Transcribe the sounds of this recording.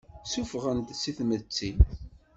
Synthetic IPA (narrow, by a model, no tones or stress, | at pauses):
sufʁənt̪siθmət͡sːin